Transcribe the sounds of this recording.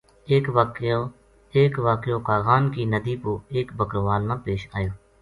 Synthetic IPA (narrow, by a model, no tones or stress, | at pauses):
eːkʋakoː | eːkʋaːkjoːkaːɣaːnkiːnəd̪iːpoːeːkbəkɾʋaːlnãːpeːʃaːjoː